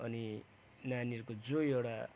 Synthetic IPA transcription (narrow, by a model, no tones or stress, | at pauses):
ʌni | nanirkod͡zoewɽa